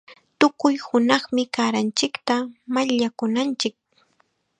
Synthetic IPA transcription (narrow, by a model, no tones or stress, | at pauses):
t̪ʊkʊjhʊnɑχmɪkaːɾant͡ʃɪkt̪amaʎakʊnant͡ʃɪk̚